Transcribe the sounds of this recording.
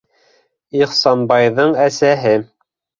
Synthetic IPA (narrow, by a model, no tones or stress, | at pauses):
iχsɑnbɑjðɤɴæsæɦɘ